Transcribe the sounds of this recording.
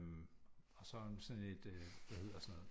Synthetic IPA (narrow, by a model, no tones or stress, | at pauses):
mɒ̽sɒ̽nsɒne̝d̥ʋæhe̝ð̰ˠɐsɒno̽ːð̩ˠ